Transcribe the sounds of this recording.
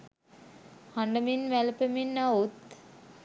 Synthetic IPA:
haɳɖəminʋælpəminːaut̪

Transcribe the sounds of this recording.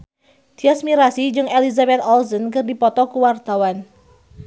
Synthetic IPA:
d̪̥iasmiɾasid͡ʒɨŋelizabɛt̪ɔlzənkɨrdipɔt̪ɔkuwart̪awan

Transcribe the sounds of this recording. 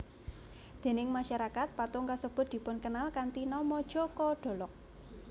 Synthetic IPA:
d̪̥e̤nɪŋmaʃaɾakat̪̚pat̪uŋkasəb̥ʊ̤t̪̚d̪i̤pʊnkənalkant̪inɔmɔd̥ʒ̥ɔ̤kɔɖ̥o̤lɔk̚

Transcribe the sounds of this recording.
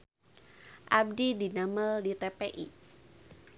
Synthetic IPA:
ʔab̚didinaməldit̪epeʔḭ

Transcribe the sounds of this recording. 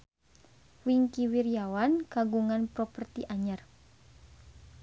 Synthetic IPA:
wiŋkiwiɾjawanɡ̥aɡuŋanpɾopərt̪iʔaɲər

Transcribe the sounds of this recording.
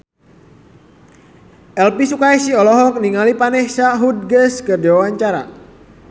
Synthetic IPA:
ʔɛlpisukajsiɔlɔɦɔk̚niŋalipanɛhsaɦud̚ɡəskərdiwawaɲt͡ʃaɾa̰

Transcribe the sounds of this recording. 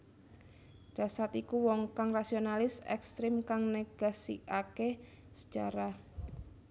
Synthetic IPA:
ɖ̥ä̤sart̪ikuwɔŋkaŋrasionalɪsɛ̰kst̪ɾɪmkaŋneɡ̥a̤sḭake | sə̥d͡ʒ̥a̤ɾah

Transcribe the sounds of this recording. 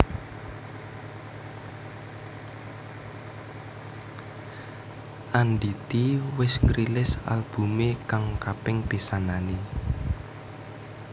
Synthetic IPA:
ʔanɖit̪iwɪsŋɾilɪsa̰lb̥ṳmekaŋkapɪŋp̪isanani

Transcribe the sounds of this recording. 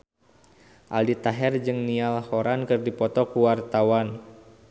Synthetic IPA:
ʔaldit̪aɦɛrd͡ʒɨŋnialhɔɾankɨrdipɔt̪ɔkuwart̪awan

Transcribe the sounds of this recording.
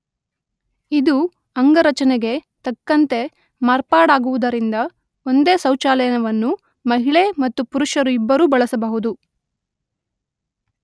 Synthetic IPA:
id̪u | ɐŋɡɐɾɐt͡ʃɐneɡe̞t̪ɐkːɐnt̪e̞ | maːɾpaːɽaːɡuʋud̪ɐɾind̪ɐ | o̞nd̪e̞ːsɐwt͡ʃaːlɛjɐnɐʋɐnːu | mɐɦiɭemɐt̪ːupuɾuʂɐɾuibːɐɾuːbɐɭɐsɐbɐɦud̪u

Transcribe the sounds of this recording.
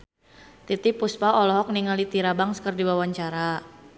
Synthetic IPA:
t̪it̪ipuspaɔlɔɦɔk̚niŋalit̪iɾabaŋskərdiwawaɲt͡ʃaɾa

